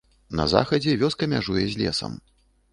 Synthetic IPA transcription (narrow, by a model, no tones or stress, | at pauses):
nɐ̰za̰xɐd͡zʲɛvʲɔskɐmʲaʐujɛzʲlʲɛsɐ̰m